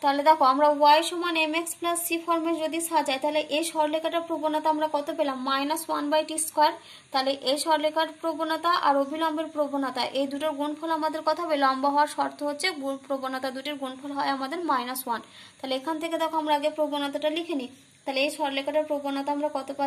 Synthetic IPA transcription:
t̪aled̪ɛkʰoamɾawajʃɔmanemeksplasːifɔɾmeɾd͡ʑod̪iʃad͡ʑaet̪aɦleʔejʃɔɾlekaʈaɾpɾobonat̪aamɾakɔt̪opelamːajnaswanbajʈisʈkɔɾ | t̪aleʔejʃɔɾlekaɾpɾobonat̪aʔaɾobʱilɔmbeɾpɾobonat̪aʔejd̪uʈaɾɡunfʰɔlamad̪eɾkɔt̪ʰabelɔmbaɦɔaɾʃɔɾt̪ʰoɦotːɕʰeɡupɾobonat̪ad̪uʈiɾɡonfʰɔlɦɔeamad̪eɾmajnaswan | t̪aɦleekʰant̪ʰeked̪ɛkʰoamɾaaɡepɾobonat̪aʈalikʰeni | t̪aɦleejʃɔɾlekaʈaɾpɾobonat̪aamɾakɔt̪opa

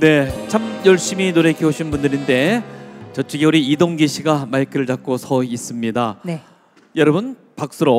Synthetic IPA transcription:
ne̞t͡ɕʰamjʌɭɕ͈iminoɾe̞kʰiɦoɕʰinbundɯɾinde̞t͡ɕʌt͡ɕ͈ʰɯɡiuɾiːdoŋɡiɕʰiɡamaikʰɯɯɭd͡ʑak͈̚osʰʌis͈ɯmɲida | jʌɾʌbɯn | pak̚s͈ɯɾo

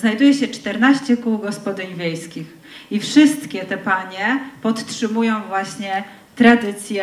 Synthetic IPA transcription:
znajd̪ujɛɕɛt͡ʂt̪ɛɾnaɕt͡ɕɛkuwɡɔspɔd̪ɘɲvʲjejskʲix | ifʂɘst̪kʲɛt̪ɛpaɲɛpɔt̪tʂɘmujɔ̃w̃vwaɕɲɛ | t̪ɾad̪ɘt̪sʲjɛ

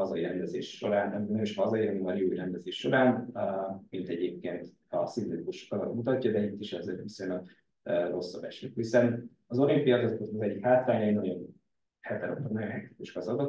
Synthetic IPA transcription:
ɒzɒiɾɛnd̪ɛzḛːʃʃo̞̰ɾaːnɛmːnøeʃhɒzɒjiɛnimɒɾjuːjɾɛnd̪ɛzeːʃːo̞ɾaːn | mint̪ɛɟeːp̚keːnt̪ | ɒ̰simlit̪ikuʃkɒzɒ̰t̪mut̪ɒcːɒd̪ɛit̪ːiʃɛzeːɾvisojnɒɡ | øro̞sːɒbɛ̰ʃikhisɛn | ɒzoɾempijɒot̪kozɒzɛɟːikhaːt̪ɾaːɲɒijnɒɟo̞n | hɛt̪ɛɾo̰t̪onnɒɟonɦɛkt̪i̥kuʃkɒzɒd̪ot̪

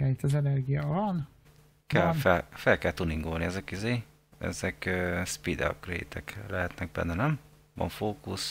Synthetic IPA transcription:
ɛlit̪ːɛzɛnɛrɡijɑvɒn | kɛlfɛlfɛlkɛlt̪uniŋɡolniɛzɛkizeː | ɛ̰zɛkøːspid̪ɛ̰p̚ɡrḛːt̪ʰɛklɛɦɛt̪nɛk̚bɛ̰nd̪ɛnɛm | vɒ̰ɱfoːkus

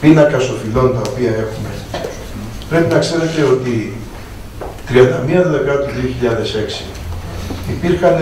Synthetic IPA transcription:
pinɐkɐst̪o̞filo̞nt̪ɐopiɐe̞xume | pɾe̞pinɐkse̞ɾe̞t̪eo̞t̪i | t̪ɾiɐnd̪ɐmiɐðelekɐt̪uðioçiʎɐðe̞se̞ksi̥ː | piɾxɐn

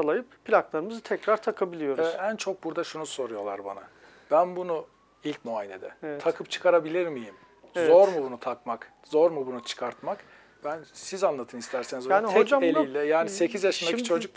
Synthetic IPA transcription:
alˠajɯppʰilʲaklˠaɾɯmɯzɯt̪ʰɛcɾaɾt̪ʰakʰabilʲijo̞ɾɛænt͡ʃʰo̞k̚buɾd̪aʃunuso̞ɾujo̞lˠa̰ɾba̰na̰ | b̥ænbunu | ilʲcmuajelḛd̪ɛɛt̪ʰakʰɯpt͡ʃʰɯ̥kʰaɾabilʲiɾmijim | zo̞ɾmubunut̪ʰakmak | zo̞ɾmubunut͡ʃʰɯ̥kʰaɾt̪mak | b̥ænsizanlˠat̪ʰɯnist̪ʰæɾsenizjaːniɦd͡ʒaelilʲːɛjaːnise̞cʰizjaʃɯnait͡ʃʰo̞d͡ʒuk̚

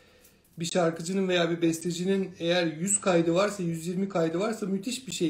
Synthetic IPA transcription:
biʃaɾkʰɯd͡ʒɯnɯnve̞jaːbibɛst̪ʰed͡ʒinine̞jæɾjyz̥kʰajd̪ɯvaɾsajyzjiɾmikʰajd̪ɯvaɾsamyt̪ʰiʃbiʃej

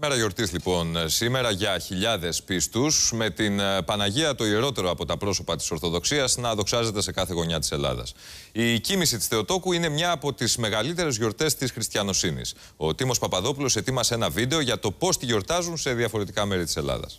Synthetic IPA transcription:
eɾɐʝo̞ɾt̪islipo̞nsime̞ɾɐʝɐçiʎɐðe̞spist̪usme̞t̪inpɐnɐʝiɐt̪o̞ie̞ɾo̞t̪e̞ɾoɐpo̞t̪ɐpɾo̞so̞pɐt̪i̥so̞ɾθo̞ðo̞ksiɐznɐðo̞ksɐze̞t̪e̞se̞kɐθe̞ɣo̞ɲɐt̪i̥se̞lɐ̰ðɐ̰sicimisit̪i̥st̪e̞o̞t̪o̞kuine̞mɲɐːpo̞t̪izme̞ɣɐlit̪e̞ɾe̞zʝo̞ɾt̪e̞st̪isxɾist̪çɐno̞sinḭs | o̞t̪imo̞spɐpɐðo̞pulo̞se̞t̪imɐse̞nɐvid̪e̞o̞ʝɐt̪o̞po̞st̪iʝo̞ɾt̪ɐzunse̞ðiɐfo̞ɾe̞t̪ikɐme̞ɾit̪i̥se̞lɐ̰ðɐ̰s

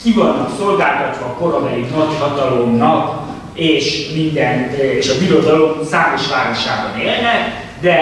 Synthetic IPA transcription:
kivɒnːɒkso̞lɡaːlt̪ɒt̪ʋɒːko̞ɾomɛiknɒchɒt̪ɒlo̞mnɒk | eːʃmind̪ɛneʃɒbiɾo̞d̪ɒlo̞msaːmo̞ʃʋaːɾo̞ʃaːbɒneːlnɛk | d̪ɛ

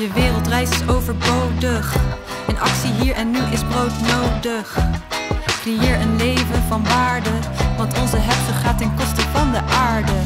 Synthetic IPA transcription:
jəʋɪːrəlˠtrɛjsɪsowvəɹbowdəχ | ɛnɑksiɦiːɹɛnːyʔɪzbrowtnowdəχ | krejɪːɹənlejvənvɑnbaːɹdəʋɑntɔnzəɦɛftəχaːtɛnkɔstəvɑndəʔaːɹdə

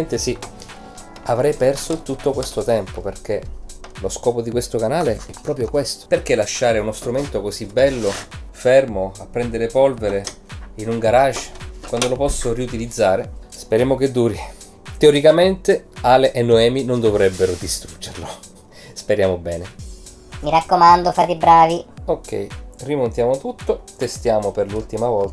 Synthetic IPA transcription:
nt̪esi | avɾɛjpɛrsot̪ut̪ːokwest̪ot̪ɛmpoperk̟e | loskɔːpod̪ikwest̪okanaːleɛpːɾɔːpɾjokwest̪o̥perk̟elaʃːaːɾeunost̪ɾument̪okosibːɛlːofɛrmoapːɾɛnd̪eɾepɔlveɾe | inuŋɡaɾat͡ʃːkwand̪olopɔsːoɾiut̪ilid̪zːaːɾespeɾjaːmok̟ed̪ːuːɾi | t̪eoɾikament̪eaːleʔenːoɛːminond̪ovɾɛbːeɾod̪ist̪ɾud͡ʒːerlo | speɾjaːmobɛːne | miɾakːomand̪ofat̪ibɾaːviokːɛ̰jrimont̪jaːmot̪ut̪ːot̪est̪jaːmoperlult̪imavɔlt̪a

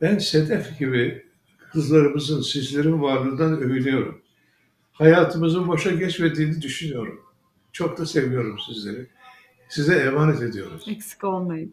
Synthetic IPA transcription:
b̥ænse̞d̪ɛfɟibi | kʰɯzlˠaɾɯmɯzɯnsizlʲe̞ɾinvaɾlˠɯnd̪anø̞jylʲijo̞ɾum | hajaːt̪ʰɯmɯzɯnboʃaɟɛt͡ʃme̞d̪iːnid̪yʃynyjo̞ɾum | t͡ʃʰo̞k̚t̪ase̞vijo̞ɾumsizlʲe̞ɾi | sizɛɛːmaːnɛt̪e̞d̪ijo̞ɾṵz̥ɛksi̥kolˠmajɯ

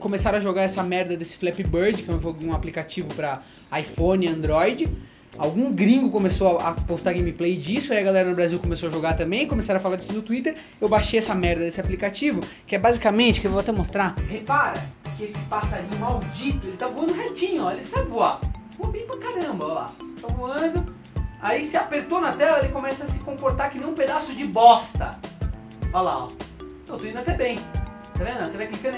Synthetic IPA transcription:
kõmesaɾ̃ɐʒoɡaɾɛsɐmɛɾd̪ɐd̪esɪ̥flɛpɪbeɾd͡ʒɪkɪɛ̃w̃ʒoɡẽũaplikat͡ʃivʊpɾɐ | ajfõnɪɐ̃nd̪ɾɔjd͡ʒɪ | awɡũɡɾĩŋɡʊkõmesowɐapost̪aɾɡẽmiplejd͡ʒisʊaiɐɡalɛɾɐnʊbɾaziwkomesowɐʒoɡaɾt̪ɐ̃mbẽj̃ɪkõmesaɾɐfalaɾd͡ʒisʊnʊt̪uit̪eɾ | ewbaʃejɛsɐmɛɾd̪ɐd̪esɪaplikat͡ʃivʊkɪɛbazikamẽnt͡ʃɪ̥kɪewvoat̪ɛmost̪ɾahepaɾɐkɪesɪ̥pasaɾĩɲʊmawd͡ʒit̪ʊelɪt̪avuɐ̃nd̪ʊ̃ɦet͡ʃĩɲʊɔelɪsabɪvuavoɐbẽj̃pɾakaɾɐ̃bɐɔla̰t̪ãvuɐ̃nd̪ʊ | aisɪapeɾt̪onɐt̪ɛlɐelɪkõmɛsɐsɪ̥kõpoɾt̪aɾkɪnẽũped̪asʊd͡ʒɪbɔst̪ɐ̰ | ɔlaɔ̰ | ɐ̃t̪oĩd̪at̪ɛbẽj̃ | t̪avẽnd̪sevajklikɐ̃n

